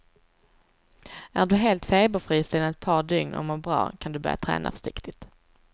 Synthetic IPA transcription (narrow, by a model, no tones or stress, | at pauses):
æɖɵɦeːlt̪feːbəfɾiːst̪ɪnanɛt̪̚pʰɑːɖ̪ʏŋnʔɔ̰mɔɾbɾɑ̰ːkʰand̪ɵbœ̰ɾja̰t̪ʰɾɛ̰ːnʔa̰fœ̥ʂɪkt̪ɪt̪